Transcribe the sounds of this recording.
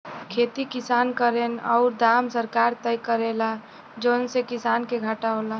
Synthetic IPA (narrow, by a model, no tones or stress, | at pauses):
kʰeːt̪ikɪsaːnkəɾenɔ̰ʊɾd̪aːmsəɾkaːɾt̪əjkəɾela | d͡ʒonsekɪsaːnkeɡʱaʈaɦola